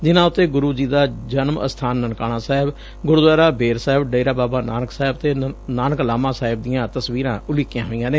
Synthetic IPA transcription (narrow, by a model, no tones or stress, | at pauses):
d͡ʒɪnãːʊt̪ːeːɡʊɾuːd͡ʒiːd̪aːd͡ʒənmə̰st̪ʰaːnːənkaːɽ̃ãːsaːɦɪb | ɡʊɾd̪ʋaːɾaːbeːɾsaːɪbɖeːɾaːbaːbaːnaːnəksaːɪbt̪eːnaːnəklaːmãːsaːɦɪb̚d̪ɪjãːt̪əsʋiːɾãːʔʊliːkjãːɦoːɪ̃jãːneː